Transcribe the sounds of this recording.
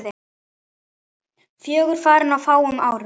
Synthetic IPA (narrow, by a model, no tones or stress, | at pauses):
ðɪ | fjœːɣʏɾ̥faːɾɪnawfaːwʏmaːwɾɪ